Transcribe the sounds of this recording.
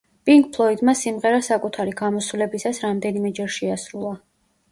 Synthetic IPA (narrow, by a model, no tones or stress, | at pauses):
pʼiŋkpʰlˠɔid̪masimʁɛɾasakʼut̪ʰaɾiɡamɔsvlɛbisasɾamd̪ɛnimɛd͡ʒɛɾʃiasɾulˠa